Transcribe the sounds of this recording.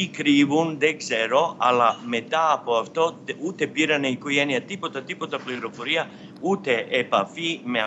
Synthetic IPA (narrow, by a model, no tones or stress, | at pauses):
ikɾivunðekseɾo̞ɐlɐme̞t̪ɐːpo̞ɐft̪o̞ut̪e̞piɾɐneiko̞ʝeniɐt̪ipo̞t̪ɐt̪ipo̞t̪ɐpliɾo̞fo̞ɾiɐ | ut̪e̞ːpɐfime